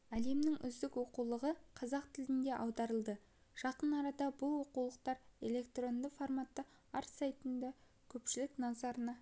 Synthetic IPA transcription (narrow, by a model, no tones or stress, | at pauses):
æle̞mnɪŋʔʏ̰zd̪ɪkwo̞qulˠəʁəqʰɑzɑqt̪ʰɪlɪnd̪e̞ʔɑwd̪ɑɾəlˠd̪ə | ʒ̥ɑqənɑɾɑd̪ɑbʊlˠwo̞qulˠəqt̪ɑɾe̞le̞kt̪ro̞nd̪əfo̞rmat̪ːə | ɑɾsɑjt̪ənd̪ɑ | kʲʰɵpʃɪlɪknɑzɑɾənɑ